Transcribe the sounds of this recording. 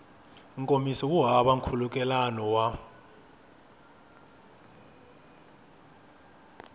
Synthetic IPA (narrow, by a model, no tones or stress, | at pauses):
ŋkʼomisɔwuɦaɓaŋkʰuluk̬ʼɛlanɔwa